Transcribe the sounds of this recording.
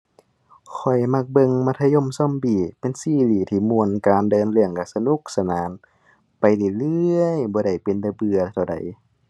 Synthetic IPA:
kʰɔ˨˩jma˧˩k̚bɤ˧˨ŋma˧t̪ʰa˧jo˧˥˨msɔ˧˥˨mbiː˧˩pe˧˨nsiː˧˩liː˨˩t̪ʰiː˧˩mu˧˩ənkaː˨ndɤː˧˦nlɯ˧əŋka˧˩sa˧nu˧˦˨k̚sa˧naː˨˦n | pa˨jda˨˧˩lɯ˧əjbɔː˧˦ɾa˧˩jpe˨nda˧˦bɯ˧ɐt̪ʰa˧˩da̰˨˩j

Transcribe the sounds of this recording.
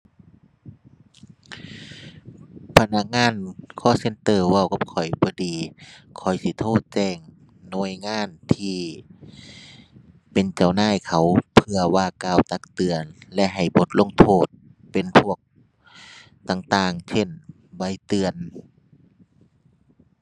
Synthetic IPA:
pʰa˧na˧˥k̚ŋaː˧˥˨nkʰɔː˧˨se˧˥nt̪ɤː˧˩wa˧˩wka˧˥p̚kʰɔ˨˩jbɔː˧˦diː˨˧kʰɔ˨˩jsi˧˦t̪ʰoː˧˥˩t̪̚t͡ɕɛː˧˩ŋ | nɔ˧əjŋaː˧˥˨nt̪ʰiː˧ | pe˨nt͡ɕa˨˩wnaː˧˥˨jkʰa˨˩wpʰɯ˧ɐwaː˧˩kaː˧˩wt̪a˧˥k̚t̪ɯ˨ənlɛ˧ʔɦa˨˩jbo˧˦t̪̚lo˧˥˨ŋt̪ʰoː˧˩t̪̚pe˨npʰu˧˥˩ək̚ | t̪aː˧˩ŋt̪aː˧ŋsʰe˧˩n | ba˧˥jt̪ɯ˨˧ən

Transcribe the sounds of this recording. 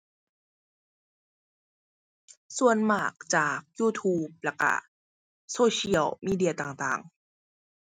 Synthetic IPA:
su˨˩ənmaː˨˩k̚t͡ɕaː˨˩k̚juː˧˩t̪ʰuː˧˩p̚lɛ˧˩kːa̰˧˩ | soː˧ɕi˧˥ə˨wmiː˧˥˩di˧ɐ˨˧t̪aː˨˩ŋt̪a̰ː˨˩ŋ

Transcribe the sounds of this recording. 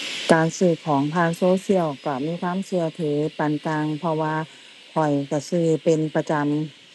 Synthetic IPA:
kaː˨˩nsɯː˧˩kʰɔː˩˦ŋt̪ʰaː˧˥˨ŋsoː˧˨si˧˥˨əwkɔ˧˩miː˧˥˨kʰwaː˧˥˨msɯ˧ɐt̪ʰɤː˨˦pa˨nkaː˧ŋpʰɔ˧waː˧ | kʰɔ˨˩jka˧˩sɯː˧˩pe˨npa˧t͡ɕa˧m

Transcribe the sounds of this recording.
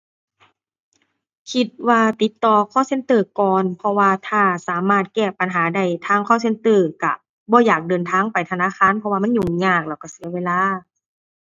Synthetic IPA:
kʰi˧t̪̚waː˧t̪i˨˦t̪ːɔː˨˧kʰɔː˧˥˨se˧˥nt̪ɤː˧˩kɔː˨npʰɔ˧waː˧t̪ʰaː˧˩saː˨˦maː˧˥˩t̪̚kɛː˧˩pa˨nɦaː˩˦da˧˩jt̪ʰaː˧˩ŋkʰɔː˧˥˨se˧˥˨nt̪ɤː˧˩ka˧˩ | bɔː˧˦jaː˨˩k̚dɤː˨nt̪ʰaː˧˥˨ŋpa˨˩jt̪ʰa˧naː˧˥˨xaː˧˥˨npʰɔ˧waː˧ma˥˨nɲu˧˨˩ɲaː˧˩k̚lɛː˧˩wka˧˩si˨˦ɐweː˧˨laː˧˥˨

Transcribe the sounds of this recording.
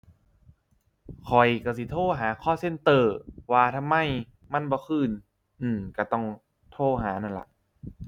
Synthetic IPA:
kʰɔ˨˩jka˧˩si˧˦t̪ʰoː˥˩ɦaː˩˦kʰɔː˥˩se˧˥˨nt̪ɤː˧˩waː˧t̪ʰa˧˨mːa˧˥˨j | ma˧˥˨nbɔː˧˦kʰɯː˧˩˨n | ʔɯː˧˩mka˧˩t̪ɔ˧˩ŋ | t̪ʰoː˧˩ɦaː˩˦na˧˥˩nla̰˧˦ʔ

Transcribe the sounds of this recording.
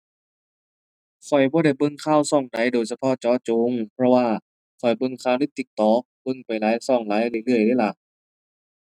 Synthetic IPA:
kʰɔ˨˩jbɔː˧ɾa˧˩jbɤ˧˩˨ŋkʰaː˧˥˨wsɔ˧˩ŋda˨˩˨jdoː˨˩jsa˧pʰɔ˧˥˨t͡ɕɔː˧˥˨t͡ɕoː˨˧˦ŋpʰɾɔ˧waː˧˩ | kʰɔ˨˩jbɤ˧˩˨ŋkʰaː˧˩˨wni˧˥˩t̪i˧˩k̚t̪ɔː˨˧˦k̚bɤ˧˨ŋpa˨˩jlaː˨˦jsɔː˧˩ŋlaː˨˦jlɯ˧˨lɯ˧˩əjlɯː˧˥˨jla˧˩

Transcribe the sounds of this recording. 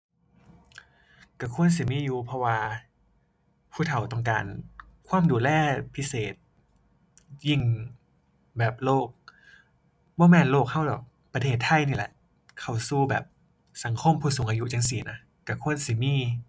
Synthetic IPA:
ka˧˩kʰu˧˥ənsi˨˧˦miː˧˥˨juː˧pʰɔ˧waː˧ | pʰuː˧˥˩t̪ʰa˨˦wt̪ɔ˧˩ŋka̰ː˨n | kʰwaː˧˥˨mduː˨˩lɛː˧˩pʰi˦˥seː˨˩t̪̚ | ji˧˩˨ŋ | bɛː˨˩p̚loː˥˩k̚ | bɔː˧˥˩mɛː˧˨nloː˧˩k̚ha˧˥˩wdɔː˨˩k̚ | pɾa˧t̪ʰeː˧˩t̪ʰːa˧˥˨jniː˧˩lɛ̰˧˦ʔ | kʰa˧˩wsuː˧˩bɛ̰ː˨˩p̚ | sa˨˩˦ŋkʰo˧˥˨mpʰuː˧˩soː˨˩˦ŋʔaː˧ju˧˥t͡ɕa˧ŋs̬i˨˩˦na˦˥ | ka˧˩kʰu˧˥˨ə˨nsi˧˩˦miː˧˨

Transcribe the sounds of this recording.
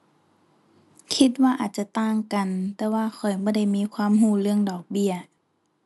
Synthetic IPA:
kʰi˧t̪̚waː˧ʔaː˨˩t̪̚t͡ɕa˧t̪aː˧˩ŋka˨nt̪ɛː˧waː˧˩xʰɔ˨˩jbɔː˧˩da˧˩jmiː˧˥˨kʰwaː˧˥˨mɦuː˧˩lɯ˧˩əŋdɔː˨˩k̚bi˧˩ɐə

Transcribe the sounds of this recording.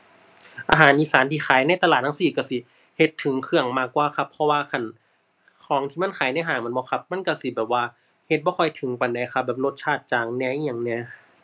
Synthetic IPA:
ʔa̰ː˧ɦaː˨˩˦nʔiː˧˥saː˨˦nt̪ʰiː˧˩xʰaː˨˩˦jna˧˥˨jt̪a˧laː˨˩t̪̚ʰːa˧˥˧siː˨˩ka˧˩si˧˩ | he˧˦t̪ʰːɯ˨˩˦ŋkʰɯ˧˩əŋmaː˧˩kːwaː˧˩kʰa˧˥pʰːɔ˧waː˧kʰa˧˥˨n | kʰɔː˨˦ŋt̪ʰiː˧ma˧˥˨nkʰaː˨˦jna˧˥˨ɦaː˨˩ŋm˧˦˨nbɔː˧˦kʰa˧˥p̚ma˧˥˨nka˧˩si˧˦bɛː˨˩p̚waː˧˩ | he˧t̪̚bɔː˧˦kʰɔ˧˩jt̪ʰɯ˨˩˦ŋpa˨˩nda˧˩jkxʰa˧p̚bɛː˨˩p̚lo˧˥t̪̚t͡ɕʰaː˧˩t̪̚t͡ɕaː˨˩ŋnɛː˧˥˨i˧jaː˨˩ŋnɛ˧˥˩

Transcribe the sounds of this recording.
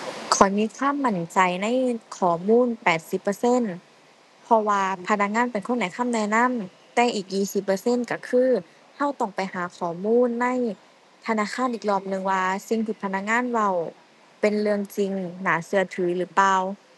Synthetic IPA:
kʰɔː˨˩˦jmiː˧˥˨kʰwaː˧˥˨mːa˧˩nt͡ɕa˨˩jna˧˥˨jkʰɔː˨˩muː˧˥˨npɛː˨˩t̪̚si˧˦pːɤ˧se˧˥˨n | pʰɔ˧waː˧pʰa˧˥na˧k̚ŋaː˧˥˨npe˨nkʰo˧˥˨na˧˩jkʰa˧˥˨mnɛː˧˩na˧˥˨m | t̪ɛː˧ʔiː˨˩k̚jiː˧˩si˨˧˦pːɤː˧se˧˥˨nka˧˩kʰɯː˧˥ | ha˧˩˨wt̪ɔ˧˩ŋpa˨jhaː˨˦kʰɔː˨˩˦muː˧˥˨nːa˧˥˨j | t̪ʰa˧naː˧˥˨kʰaː˧˥˨nʔiː˨˩k̚lɔː˧˨mnɯ˧ŋwaː˧si˧ŋt̪ʰiː˧˩pʰa˧˥na˧˥k̚ŋaː˧˥˨nwa˧˨w | pe˨nlɯ˧əŋt͡ɕi˧ŋnaː˨˦sɯ˧ɐt̪ʰɯː˩˦lɯː˩˦paː˧w

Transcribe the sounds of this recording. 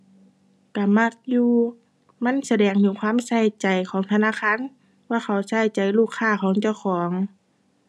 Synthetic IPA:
ka˧˩ma˧˩k̚juː˧ | ma˧˥˨nsa˧dɛː˨˧˩ŋɲuː˧˩˨kʰwaː˧˥˨msa˧˩jt͡ɕa˨jkʰɔː˨˦ŋt̪ʰa˧naː˧˥˨xaː˧˥˨n | waː˧˨xʰa˧˩wsa˧˩jt͡ɕa˨˩jluː˧˩kʰːaː˧˩xʰɔː˨˦ŋt͡ɕa˧˩wxʰɔː˨˦ŋ

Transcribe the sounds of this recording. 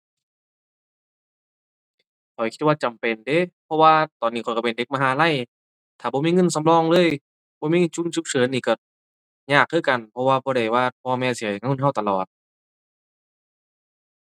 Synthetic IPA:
kʰɔ˨˩jkʰi˧t̪̚waː˧t͡ɕa˨˩mpe˨nde˧˦pʰɔ˧waː˧t̪ɔː˨nːiː˧˩kʰɔ˨˩kpe˨nde˧k̚maː˧˨ɦaː˨˦la˧˥˨j | t̪ʰaː˨˩bɔː˧˦miː˧˨ŋɤ˧˥˨nsa˧˦mlɔː˧˨ŋlɤː˧˥˨j | bɔː˧˦miː˧˨ŋɤ˧˥˨t͡ɕu˧˥˨nsu˧k̚sɤː˨˦niː˧˩˨kɔ˧˩ | ɲaː˧˩k̚ʰːɯː˧˥˨ka˨˩npʰɔ˧waː˧bɔː˧ɾa˧˩jwaː˧˩pʰɔː˧mɛː˧˩˨si˨˩˦jŋ˧ŋː˧˥˩ɦa˧˩wt̪a˨˧lɔː˨˩t̪̚

